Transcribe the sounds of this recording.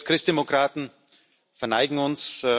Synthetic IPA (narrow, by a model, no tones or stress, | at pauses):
kʁ̥ɪstd̥emokʁ̥aːtn̩ | fɛɐnaɪɡŋ̩ʊns